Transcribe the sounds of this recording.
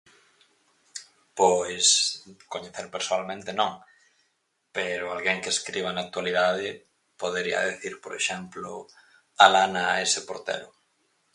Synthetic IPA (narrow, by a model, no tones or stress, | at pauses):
pojskoɲeθeɾpeɾsoalmẽnt̪ɪnõŋ | peɾʊalɣeŋkeeskɾiβ̞anak̚t̪waliðaðɪ | poðeɾiɐ̰ðeθiɾpoɾḛʃɛmplʊ | alanaesɪpoɾt̪ḛɾʊ